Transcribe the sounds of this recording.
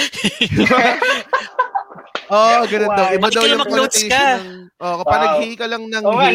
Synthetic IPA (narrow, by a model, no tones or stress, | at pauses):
ʔoʔɡɐnond̪ɐwʔɪbad̪ɐwjʊmɐkɔnt̪jkɐɐŋʔokɐpɐnɐɡhikɐlɐŋnɐŋ